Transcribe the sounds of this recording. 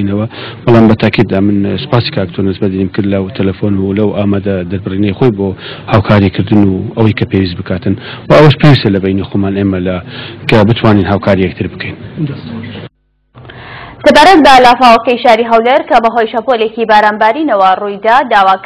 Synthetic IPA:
nɐwɐb̥ɑlaːmbɐt̪ʰaːkʰid̪̚d̪aːmɨnsɨ̥paːsi̥kʰaːk̚t̪ʰonɨsbɐt̪inimkɨɾd̪lwt̪ʰɐlɐfonulɐwʔaːmaːd̪ɐd̪ɐɾbɨriːnɐjxojboːhaːwkʰaːɾikʰɨɾd̪ɨnuɐwɐjkʰɐpʰewiːs̬t̪bɨkʰaːt̪ɨnwɐɐwɐʃpʰewist̪ɐlɐbɐjnixomaːneːmɐlɐkʰɐbɨt̪ʰwaːninɦaːwkʰaːɾijɛk̚t̪ʰɨɾbɨkʰejn | sɐbaːɾɐt̪̚bɐlaːfaːwɐkɐjʃaːɾiɦɐwleɾkɐbɐɦojʃɐpolekibaːɾaːnbaːɾinɐwɐrujd̪aːd̪aːwaː

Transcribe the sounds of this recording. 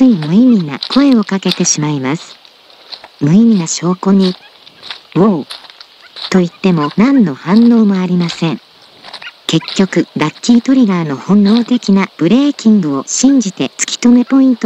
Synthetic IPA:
t͡sɨimɯ̟imʲina̰kʰo̞e̞o̞kake̞t̪e̞ɕimaimasɨ̥ | mɯ̟imʲinaɕo̞ːko̞ɲ̟i | oː | t̪o̞it̪ːe̞mo̞nãnːo̞hãnːo̞ːmo̞aɾʲimasẽ̞ŋ | ke̞kʲːo̞kɯ̟ɾakʲːiːt̪o̞ɾʲiɡaːno̞hõ̞nːo̞ːt̪e̞kʲinab̥ɯ̟ɾe̞ːkʲĩŋɡɯ̟o̞ɕĩɲ̟d͡ʑit̪e̞t͡sɨ̥kʲi̥t̪o̞me̞po̞ĩnt̪o

